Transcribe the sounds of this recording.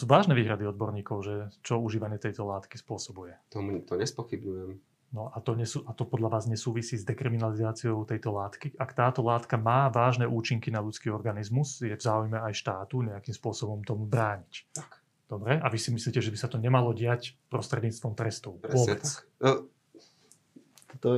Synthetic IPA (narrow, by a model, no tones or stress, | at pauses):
suːʋaːʒnɛʋiːɦɾad̪iɔd̪bɔɾɲiːkɔʊʒɛt͡ʃɔuʒiːʋaɲɪɛt̪ɛjt̪ɔlaːt̪ki̥spʊɔsɔbujɛt̪ɔmut̪ɔɲɛspɔxibɲujɛm | nɔat̪ɔɲɛsuʔat̪ɔpɔd̪ʎaʋaːzɲɛsuːʋisiːzd̪ɛkɾiminalizaːt͡siɔʊt̪ɛjt̪ɔlaːt̪kiʔakt̪aːt̪ɔlaːt̪kamaːʋaːʒnɛʔuːt͡ʃiŋkinaʎut͡skiːɔɾɡanizmuzjɛvzaːujmɛajʃt̪aːt̪uɲɛakiːmspʊɔsɔbɔmt̪ɔmubɾaːɲict̪ak | d̪̥ɔbɾɛaʋisimisliːcɛʒɛbisat̪ɔɲɛmalɔɟɪacpɾɔst̪ɾɛd̪ɲiːt͡st̪ʋɔmt̪ɾɛst̪ɔʊɾɔbɛ | t̪t̪ɔ